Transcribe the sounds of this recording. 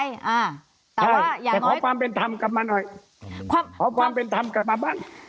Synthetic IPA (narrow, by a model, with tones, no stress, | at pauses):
ʔa˧˩ | tʰaː˧˩˧ɛː˨˩kɔː˨˦kʰwaː˧mpe˧nt̪ʰa˧mka˨˩p̚maː˧nɔ˨˩j | kːʰɔː˨˦kʰwaː˧mpe˧nt̪ʰa˧mka˨˩p̚maː˧baː˥˩ŋ